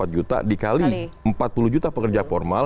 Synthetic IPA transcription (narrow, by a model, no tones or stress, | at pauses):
at̪̚d͡ʒut̪a̰dikaliəmpat̪̚puluhd͡ʒut̪apəkərd͡ʒafɔrmal